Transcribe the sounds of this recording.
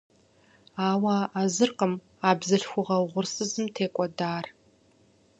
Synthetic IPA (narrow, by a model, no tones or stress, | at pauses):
aːwaazɨrqəm | aːbzɐɬxʷʊʁɐwʁʷʊrsɨzɨmtʰeːkʷʼɔdaːr